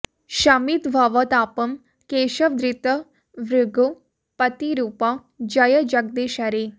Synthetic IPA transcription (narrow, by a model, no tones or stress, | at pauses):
ʃamit̪bʱaːʋɐt̪aːpɐm | keːʃɐʋd̪ɾit̪ə | ʋɾuɡo | pɐt̪iɾuːpa | d͡ʒɐjəd͡ʒɐk̚d̪eːʃaɾe